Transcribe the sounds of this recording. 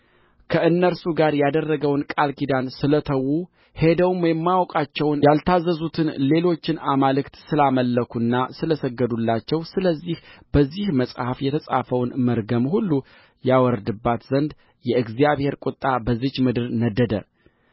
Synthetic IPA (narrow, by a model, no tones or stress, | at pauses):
kʰəʔɨnːəɾsuɡaɾjad̪ərːəɡəwnkʼalkid̪ansɨlət̪ʰəwːu | he̞d̪əwmjɛmːawkʼat͡ʃːɛwnjalt̪ʰazːəzut̪ʰɨnle̞lo̞t͡ʃːɪnamalɨkt̪sɨlaməlːəkʰunːasɨləsəɡːəd̪ulːat͡ʃːɛwsɨləzːihb̥əzːihməsʼhafjɛt̪ʰəsʼa̰fəwnməɾɡəmhulːu | jawɔɾd̪ɨbːat̪zənd̪ | jɛɨɡzijaβhe̞ɾkʼʊt̪ʼːabəzɨt͡ʃmɨd̪ɨɾnəd̪əd̪ə̰